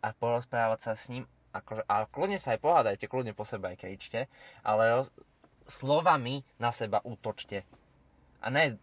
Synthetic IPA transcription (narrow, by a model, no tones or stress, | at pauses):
ʔapɔɾɔspɾaːʋacsasɲiːm | ʔakɔʒɛʔaklud̪ɲɛsaːjpɔɦaːd̪ajcɛklud̪ɲɛpɔsɛbɛajkɛit͡ʃcɛʔa̰lɛɾɔ | slɔʋaminasɛbaʔuːt̪ɔt͡ʃcɛ | ʔa̰ɲɛ